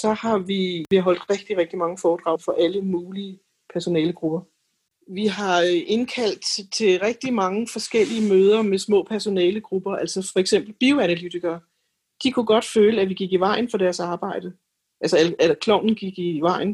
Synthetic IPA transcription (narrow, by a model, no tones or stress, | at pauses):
sɒ̽hɑ̈ʋiʋiɦɒ̽l̰d̥ʁɛɡ̥d̥iʁɛɡ̥̚d̥imɑ̈ŋəfɒːd̥ʁɑ̈ʊfɒ̽ʔæləmuːliə | pʰæɐso̝nɛːləɡ̥ʁub̥ɐ | ʋiɦɑ̈ʔe̝nkʰæl̰d̥t͡sʰe̝lʁeɡ̥̚d̥imɑ̈ŋəfɒ̽sɡ̥el̰iəmøːð̞ˠɐmesmɔ̰̽ːpʰæɐso̝nɛːləɡ̥ʁub̥ɐʔælsɒfɒ̽eɡ̥sem̰b̥l̩b̥io̝ænælyt͡sʰiɡ̥ɐː | d̥ikʰuɡ̥ɒ̽d̥føːləæʋiɡ̥iɡ̥iʋɑ̈ɪ̰n̩fɒ̽dæɐsɑ̈ːb̥ɑ̈ɪ̰d̥ə | ʔælsɐælækʰlɒʊ̰nn̩ɡ̥iɡ̥iʋɑ̈ɪ̰n